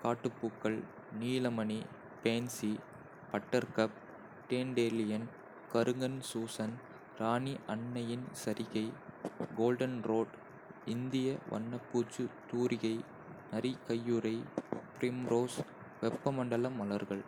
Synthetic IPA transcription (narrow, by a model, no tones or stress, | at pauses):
kaːʈːɯpːukːɐɭ | niːlɐmɐni | peːnsi | pɐʈːɐɾkɐp̚ | ʈeːnɖeːlɪjɐn | kɐɾɯŋɡɐnsuːsɐn | ɾaːniʔɐɳːɐjɪnsɐɾɪɣɐɪɡoːlɖɐnɾoːɖ | ɪnd̪ɪjɐʋɐ̰ɳːɐpːuːt͡ʃːɯt̪uːɾʔɪɣɐɪ | nɐɾikɐjːuɾɐɪpɾɪmɾoːs | ʋɛpːɐmɐɳɖɐlɐmːɐlɐɾɣɐɭ